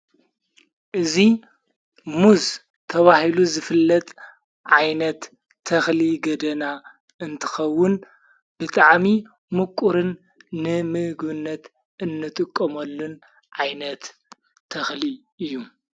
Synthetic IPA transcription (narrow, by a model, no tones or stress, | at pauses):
ʔɨzi | muz | t̪ʰɐβahiluzɨfɨlːɐt̪ʼ | ʕajnɐt̪ʰː | ɐxliɡɐd̪ɐna | ɨnt̪ʰɨ̥xɐwːʊn | b̥ɨt̪ʼaʕmi | mɨkʼuɾɨnː | ɨmɨhɡβɨnːɐt̪ | ɨnːɨt̪ʼɨkʼːɐmɐlːun | ʕajnɐt̪ʰː | ɐxli | ɨjːu